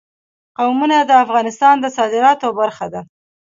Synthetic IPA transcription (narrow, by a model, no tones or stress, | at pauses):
qawmunad̪əafɣɑnɪst̪ɑnd̪əsɑd̪ɪɾɑt̪obaɾxad̪a